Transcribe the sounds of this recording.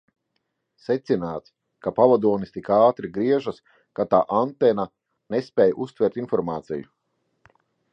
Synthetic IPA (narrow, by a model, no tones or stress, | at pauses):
sɛt̪sinaːt̪s | kapalˠad̪uɔnist̪ikaːt̪ɾiɡɾiɛʒas | kat̪a̰ːʔant̪ɛna | nespɛːjʔust̪vɛɾt̪infɔɾmaːt̪sḭjṵ